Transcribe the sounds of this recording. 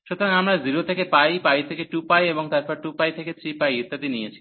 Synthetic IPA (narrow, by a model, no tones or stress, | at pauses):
ʃut̪oɾaŋamɾaziɾot̪ʰekepajpajt̪ʰekeʈupajeboŋt̪aɾpɔɾʈupajt̪ʰeket͡ɕʰipajit̪ːad̪inijet͡ɕʰi̥